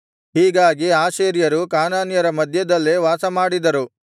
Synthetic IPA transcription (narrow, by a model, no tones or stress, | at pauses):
ɦiːɡaːɡiaːʃeːɾjɐɾukaːnaːnjɐɾɐmɐd̪ʱjɐd̪ɐlːeʋaːsɐmaːɽid̪ɐɾu